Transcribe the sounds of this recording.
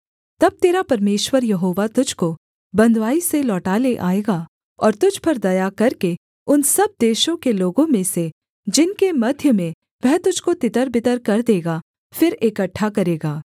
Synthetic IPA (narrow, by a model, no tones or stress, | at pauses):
t̪ɐb̚t̪eːɾapɐɾmeːʃwəɾjɐɦoːʋat̪ʊd͡ʒʱko | bɐ̃nd̪ʋaːiselɔːʈaːleʔa̰ːeːɡa | ɔːɾt̪ʊd͡ʒʱpɐɾd̪ɐjakɐɾke | ʊnsɐb̚d̪eːʃõkeloːɡõmẽse | d͡ʒɪnkemɐd̪ʱjəmẽ | ʋɛɦt̪ʊd͡ʒʱkot̪ɪt̪əɾbɪt̪əɾkɐɾd̪eːɡa | fɪɾekɐʈʰːakɐɾeːɡaː